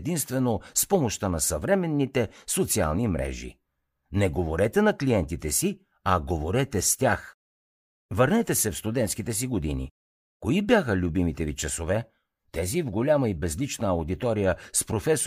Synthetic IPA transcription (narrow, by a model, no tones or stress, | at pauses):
d̪inst̪vɛnospɔmoʃt̪ənɐsɐvɾɛmɛnːit̪ɛsot̪sia̰lˠnimɾʔɛ̰ʒḭ | nɛɡovoɾɛt̪ɛnɐkliɛnt̪it̪ɛsi | ɐɡovoɾɛt̪ɛst̪ʲax | vəɾnɛt̪ɛsɛfst̪ud̪ɛnt̪skit̪ɛsiɡod̪inḭ | koibjaxəlʲubimit̪ɛvit͡ʃɐsovɛ | t̪ɛzivɡolʲaməibɛzlit͡ʃnəːʊd̪it̪ɔɾijəspɾofɛs